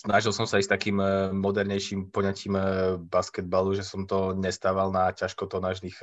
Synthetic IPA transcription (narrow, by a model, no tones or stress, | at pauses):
snaʒilsɔmsaist̪akiːmːɔd̪ɛɾɲɛjʃiːmpɔɲaciːmbaskɛd̪̚baluʒɛsɔmt̪ɔɲɛst̪aːʋalnacaʃkɔt̪ɔnaːʒnix